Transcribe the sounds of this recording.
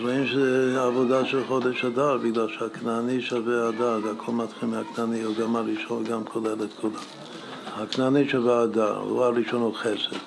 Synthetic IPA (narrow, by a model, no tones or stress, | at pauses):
ɾoimʃezɛavod̪aʃelχod̪eʃad̪aɾbiɡlalʃeaknaniʃavead̪aɡakʰolmat̪χilmeaknanioɡamaɾiʃonɡamkʰodelet̪kʰoda | haknaniʃavead̪a̰ɾ̰ṵaɾiʃonuχesed̥